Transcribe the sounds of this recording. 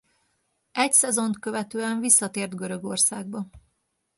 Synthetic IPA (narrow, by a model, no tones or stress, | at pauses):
ɛcsɛzo̞nt̪køvɛt̪øːɛɱvisːɒt̪eːrd̪ɡøɾø̞ɡo̞rsaːɡ̚bɒ